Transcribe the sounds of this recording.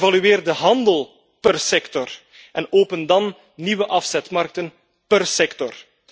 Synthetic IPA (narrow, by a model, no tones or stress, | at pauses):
vɑlyeːrdəɦɑndəlˠ | pərsɛktɔr | ɛnoːpəndɑn | niwəʔɑfsɛtmɑrk̚tən | pərsɛktɔr